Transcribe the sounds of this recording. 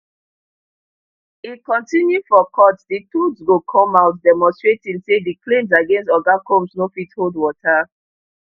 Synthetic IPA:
ikɔ̃ntĩnjufɔkʰɔtditudsɡokʰɔ̃maʊtdɛmɔ̃nstɹetĩnsediklẽmzaɡẽnstɔɡakõmsnofitholdwɔtʰa

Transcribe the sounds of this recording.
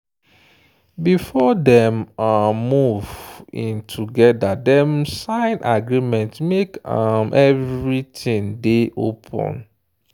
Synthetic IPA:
bifɔdɛmamuvĩntʰuɡɛdadɛ̃msãɪ̃nʔaɡɹimɛ̃ntmekamʔɛvɹitĩndeʔo̰pʰɔ̰̃n

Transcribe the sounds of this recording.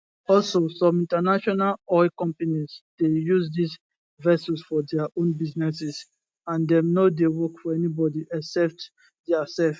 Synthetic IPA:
ɔlsosɔ̃mĩntanaʃɔnalɔɪkɔ̃mpanizd̥ejuzdis | vɛsusfɔdɛaʔõnbiznɛsɛs | ãndɛ̃mnodewɔkfɔɛnibɔdiʔɛksɛp̚t | dɛasɛlf

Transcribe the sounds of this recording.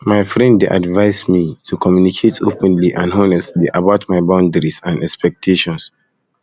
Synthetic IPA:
maɪfɹɛ̃ndeʔa̰dvaɪsmitʰukʰɔmjunikʰetʰopə̃nliʔãnhonɛstliʔabaʊtmaɪbãʊ̃ndəɹisãnɛkspɛk̚tʰeʃɔ̃ns

